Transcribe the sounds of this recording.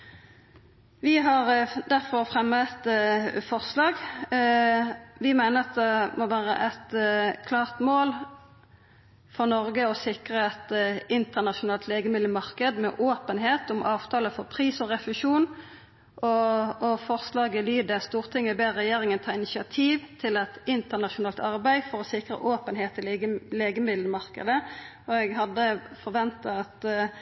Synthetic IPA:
ʋɪɦɑʁd̪æʁfɔʁfʁɛmət̪fɔʁslɑːɡ | ʋɪmæɪnəʁɑt̪̚d̪ɛmɔʋæːɾə̰ʔɛt̪kʰlɑːʁt̪moːl | fɔʁnɔʁɡəɔsɪkʁəɛt̪ɪnt̪əʁnɑʃʊnɑːlt̪ʰleːɡəmɪlləmɑʁkəd̪mɛ̰ʔoːpənɦeːt̪ʊmʔɑːʋt̪ʰɑːləfɔʁpʰʁiːsɔʁɛfɪʃuːn | ʔɔɔfɔʁslɑːɡəlyːd̪əst̪uːʁt̪ʰɪŋːəəbeːʁɛjeːʁɪŋənt̪ʰɑːɪnɪʃɪɑt̪ʰiːʋt̪ʰɪlɛt̪ɪnt̪əʁnɑʃʊnɑːlt̪ɑʁbæɪfɔʁɔsɪkʁə̰ʔoːpənɦeːt̪ʰːɪlleːɡəmɪd̪ləmɑʁkə̰d̪ə | ɔɛɡhɑd̪ːəfɔʁʋɛnt̪əɑt̪

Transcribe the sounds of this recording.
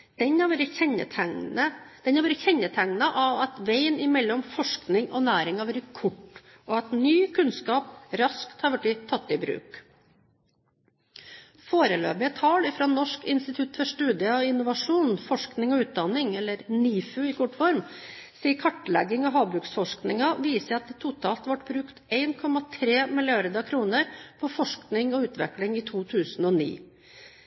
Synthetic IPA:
d̪̥ɛɲɑɾʋeːɾəɛə̰t̪ʰæŋnəd̪̥ɛnhɑɾʋɛːɾəçɛɲːət̪ʰæŋnɑʔɑʋɑt̪ʋeɪnɪmɛlːɔmfɔʂknɪŋɔ̰næːɾɪŋɑʋəɾəkʰʊʈː | ʔɔːɛt̪nyːkʰʉnskɑːp̚ɾɑskt̪hɑɾʋɛʈːɪt̪ʰɑt̪ːɪbɾʉ̰ːk | foːɾəlø̰ːbɪət̪ʰɑːlɪfɾoːnɔʂkɪnst̪ɪt̪ʰʉt̪ːfɔʂʈʉːd̪ɪəɑʋɪnːʊʋɑʂuːnfɔʂknɪŋɔʉːt̪̚d̪ɑnɪŋɛlːəɾniːfʉɪkʰɔʈːfɔɾmsiːəkʰɑʈːlɛɡɪŋɑɦɑːbɾʉːksfɔʂknɪŋɑʋiːsəɑt̪d̪ɛt̪ʰʊt̪ʰɑːlt̪ʋɑʈbɾʉːkt̪eɪnkʰɔmɑt̪ʰɾeːmɪlɪɑɾd̪ɑkʰɾuːnəɾpʰɔfɔʂknɪŋɔʉːt̪ʋɛ̰klɪŋiːt̪ʰuːt̪ʰʉːsn̩ɔːnḭː

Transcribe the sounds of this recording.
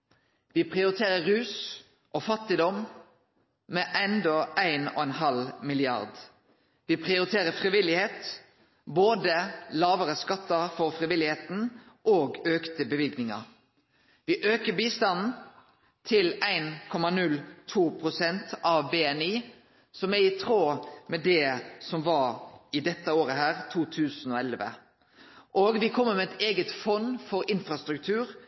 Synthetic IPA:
ʋiːpʰʁɪʊɾɪt̪ʰeːʁəʁʉːs | ʔofɑt̪ɪd̪ɔm | meʔɛnd̪ɔʔæɪno̰ːɛnɦɑlmɪlɪɑ̰ʁd̪ | ʋiːpʰʁɪʊɾɪt̪ʰeːʁəfʁɪʋɪlɪheːt̪ | boːd̪əlɑːʋəʁəskɑt̪ːəfɔʁfʁɪʋɪlɪheːt̪n̩ | ʔoːɡøːkt̪əbəʋɪlɡnɪŋɑ̰ʁ | ʋɪʔøːkəbiːst̪ɑnn̩ | t̪ʰɪlæɪnkʰɔmɑnʉlt̪ʰuːpʰɾʊsɛnt̪ʔɑʋbeɛniː | sɔmæɾɪt̪ʰɾoːmɛd̪ɛsɔmʋɑɾɪd̪ɛt̪ːəoːɾəɦæːɾt̪ʰuːt̪ʰʉːsn̩ɔɛlʋə̰ | ʔoːɡʋɪkʰɔmːəmɛɛt̪eːɡət̪fɔnːfɔɾɪnfɾɑst̪ɾʉk̚t̪ʰʉːɾ

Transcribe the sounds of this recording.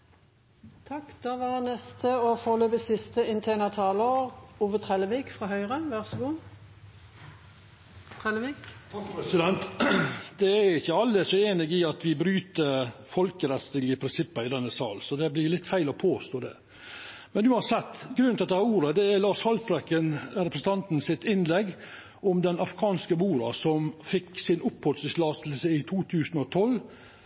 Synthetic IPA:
t̪ʰɑkːd̪̥ɑːʋɑʁnɛst̪ʰəofoːløːpəsɪst̪əɪnt̪ʰeːnət̪ʰɑːloːʁuːʋət̪ʰʁɛləʋiːkfʁɑːɦœʏʁəʋæʁsəɡuː | t̪ʰʁɛlʋiːkt̪ʰkɾɛsɪd̪ɛnt̪d̪ɛæjʊɪçːəɑlːəsɔeːnɪɡɪɑt̪ʋɪbɾyːt̪əfɔlkəɾɛt̪st̪ɪləpʰɾɪnsɪpːɑɪd̪ɛnːəsɑ̰ːlsɔd̪ɛblɪɾlɪt̪ːfæɪlɔpʰoːst̪oːd̪ɛ̰ | mɛnʉːɑnsɛt̪ːɡɾʉnt̪ɑt̪̚d̪ɛhɑɾuːɾəd̪ɛæɾlɑːʂhɑlpɾɛkənɾɛpɾəsn̩t̪ʰɑnt̪n̩sɪt̪ɪnlɛɡː | ʔɔmd̪ɛnɑfɾɪkʰɑːnskəmuːɾɑsɔmfɪksɪnʊphɔt̪sɪslɑːst̪l̩səɪt̪ʰuːt̪ʰʉːsnɔt̪ʰɔl

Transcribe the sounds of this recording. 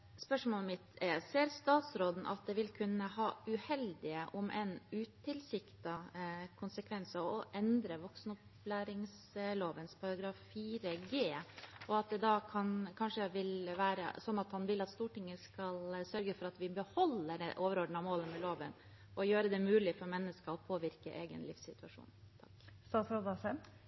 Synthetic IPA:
spœʂmoːlmɪt̪seːɾst̪ɑːt̪sɾoːd̪n̩ʔɑ̰t̪̚d̪ɛʋɪlkʰʉnːəhɑːʉhɛld̪ɪəʔʊmʔɛnʉːt̪ɪlsɪkt̪ɑkʰʊnsəkʰʋɛnsəɔʔɛnd̪ɾəʋɔksnʊplæːɾɪŋs | loːʋənspʰɑɾɑɡɾɑːffiːɾəɡeːʔɔɑt̪̚d̪ɛd̪ɑkʰɑnkʰɑnʂəʋɪlʋæːɾə̰sɔnːɑt̪hɑnʋɪlɑt̪st̪uːʈɪŋːəskɑlsœɾɡəfɔɾɑt̪ʋɪbəhɔlːəɾɛʔoːʋəɾɔɖɳ̩ɑmoːləmɛloːʋən | ʔɔjøːɾəd̪ɛmʉːlɪfɔɾmɛnːəskəɔpʰoːʋɪɾkə̰ʔeːɡə̰nlɪ̰ːfssɪt̪ʉɑʂṵːnt̪ʰɑ̥kst̪ɑːt̪sɾod̪ɑsɛm

